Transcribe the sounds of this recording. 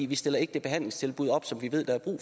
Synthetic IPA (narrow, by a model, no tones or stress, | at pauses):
ʋisd̥e̝l̰ɐe̝ɡ̥əd̥e̝b̥e̝ɦæn̰leŋst͡sʰe̝lb̥uð̞̰ˠɒ̽b̥sɒ̽mʋiʋe̝ð̰ˠd̥ɑ̈æɐb̥ʁṵː